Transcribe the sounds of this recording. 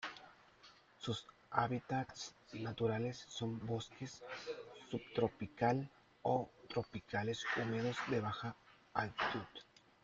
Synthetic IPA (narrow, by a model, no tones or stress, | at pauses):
sus | aβit̪at̪snat̪uɾalesːombo̞skesː | upt̪ɾopikal | ot̪ɾopikale̞sumeðozd̪eβaxa | alt̪i̥t̪uð